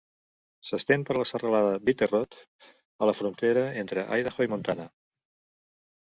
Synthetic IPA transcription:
səst̪empəɾləsərəlaðəβit̪erot̪ | ələfɾunt̪eɾəent̪ɾəʔa̰jðəxoimunt̪anə

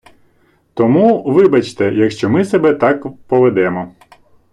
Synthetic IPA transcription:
t̪ɔmuʋɪbɐt͡ʃt̪ɛjɐkʃt͡ʃɔmɪsebɛt̪ɑkpɔʋed̪ɛmɔ

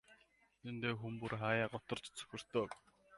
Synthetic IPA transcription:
t̪ʰent̪eːxumpurχaːjaːɢɔt̪ɞ̆rt͡ɕt͡sɵ̥xʲɪ̆r̥t̪oːk

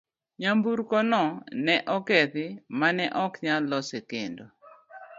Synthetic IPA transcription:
ɲambuɾkɔnɔnɛʔɔkɛt̪ɪmanɛʔɔkɲalɔsekendo

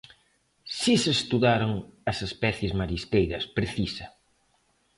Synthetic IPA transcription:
sisest̪uðaɾoŋɐsespɛθjɪzmaɾist̪ejɾɐspɾeθisɐ

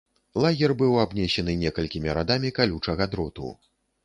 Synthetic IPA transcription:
lˠaɣʲɛrbɨwabnʲɛɕʲɛnɨnʲɛkɐlʲkʲimʲiɾad̪amʲikalʲut͡ʂɐɣad̪ɾɔt̪ṵ

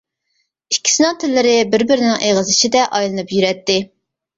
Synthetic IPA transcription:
ikʲʰːi̥sɪnɨŋt̪ʰɪlːɪɾɪbɪɾbɪɾɪnɪŋʔeʁəzɪʃid̪ɛʔɑjlˠɨnɨpjyɾɛt̪ːɪ

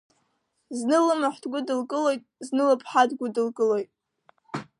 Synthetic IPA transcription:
znɨlɨmaħʷdɡʷʊdɨlkʼɨlojtʼznɨlapʰʼħadɡʷʊdɨlkʼɨlojtʼ

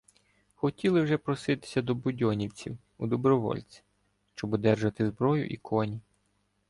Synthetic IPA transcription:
xɔtʲilˠɪwʒɛpɾɔsɪt̪ɪ̥sʲɐd̪ɔbʊdʲɔnʲiwt͡sʲḭw | ud̪ɔbɾɔʋɔ̰lʲt͡sʲi̥ | ʃt͡ʃɔbɔd̪ɛrʒɐt̪ɪzbɾɔjʊ̰ʔikʰɔnʲi

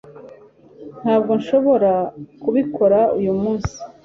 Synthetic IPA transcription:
n̥haːb̚ɡo̞nʃo̞βo̞ɾakuβikʰo̞ɾaujumuːnsi̥

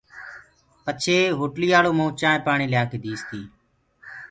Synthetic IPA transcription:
pət͡ʃʰeːɦoːʈliːaːɭoːmõːt͡ʃãːpaːɳiːljaːkeːd̪iːst̪iː

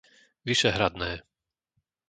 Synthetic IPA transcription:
ʋiʃɛɦɾad̪nɛː

